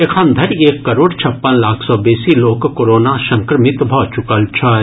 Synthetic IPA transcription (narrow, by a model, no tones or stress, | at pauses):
ekʰãːnd̪ʱɐɾeːkːɐɾoːɽt͡ʃʰɐpːənlaːkʰsɔːbeːsiloːkːoːɾoːnaʃɐ̃ŋkɾəmɪt̪bʱɔːt͡ʃʊkəlt͡ʃʰa